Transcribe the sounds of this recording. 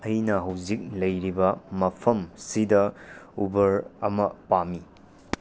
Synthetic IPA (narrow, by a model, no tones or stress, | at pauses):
ɐjnɐɦɐwzik̚lɐjɾibɐmɐpʰɐmsidɐubɐɾɐmɐpami